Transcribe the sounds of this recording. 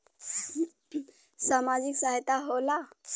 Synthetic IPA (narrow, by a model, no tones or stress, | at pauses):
samad͡ʑiksaɦjt̪aɦola